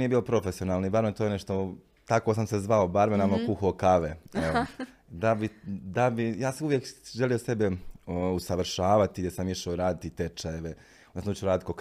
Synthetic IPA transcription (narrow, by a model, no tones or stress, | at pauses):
niːe̞bilo̞pɾo̞fesijo̞naːlˠnibaɾmet̪oːjeneʃt̪o | t̪akosamsezʋaobaɾmenamokuxoːkaʋeeo | d̪abid̪abijaːsauʋjekʒeliosebeusaʋr̩ʃaːʋat̪iɡd̪jesamiʃaoɾaːd̪it̪it̪et͡ʃajeʋe | onsamut͡ʃeoɾaːd̪it̪̚kok